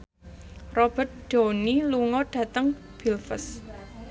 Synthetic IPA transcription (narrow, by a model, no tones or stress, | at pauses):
rɔb̥ə̤t̪̚ɖ̥o̤niluŋɔɖ̥ä̤t̪əŋ | b̥ilfəs